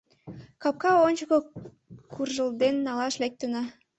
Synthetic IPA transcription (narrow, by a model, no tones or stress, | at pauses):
kɑp̚kɑonʲt͡ɕəko | kʰurʒəld̪enːɑlɑʃlek̚t̪ənɑ